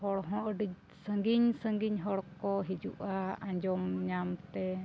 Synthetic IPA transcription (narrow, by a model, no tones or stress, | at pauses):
hɔɽɦɔ̃ʔɖi | səŋɡiɲsəŋɡiɲɦɔɽkɔɦid͡ʒuʔaaɲd͡ʒɔmɲamt̪ɛ